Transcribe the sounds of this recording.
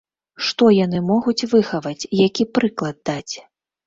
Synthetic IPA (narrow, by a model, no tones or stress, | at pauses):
ʂt̪ɔjanɨmɔɣut͡sʲvɨxɐvɐt͡sʲjakʲipɾɨklˠɐd̪̚d̪at͡sʲ